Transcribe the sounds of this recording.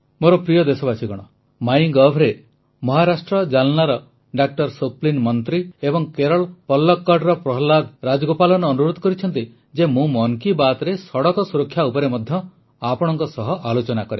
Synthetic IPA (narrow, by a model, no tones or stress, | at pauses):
moɾɔpɾijɔd̪esɔbasiɡɔɽ̃ɔ | majiŋɡɔbʱɾe | mɔɦaɾasʈɾɔd͡ʒalnaɾɔ | ɖak̚ʈɔɾsoplinmɔnt̪ɾiebɔŋkeɾɔɭpɔlːɔkːɔɾɖɾɔpɾɔɦlaɡ̪ɾad͡ʒɔɡopalɔnɔːnuɾod̪ʱɔ̥kɔɾit͡ʃʰɔnt̪i | d͡ʒemũmɔŋkibat̪ɾesɔɽɔkɔsuɾɔkʰːjaupɔɾemɔd̪ʱjɔ | apɔɽ̃ɔŋkɔsɔɦɔʔalot͡ʃɔnakɔɾe